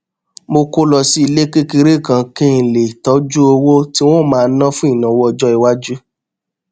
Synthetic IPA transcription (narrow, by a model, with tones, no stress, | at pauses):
mo˧ko˧lɔ˨si˧˦i˧le˦ke˦ki˧ɾe˦˨kã˧kẽ˦˨le˨tɔ˨˦d͡ʒu˦o˧wo˦ti˦w̃ɔ̃˦˨mãː˦˧˦nã˦fũ˦i˦˨nã˨wɔ˦ɔ˧d͡ʒɔ˦i˧wa˦d͡ʒu˦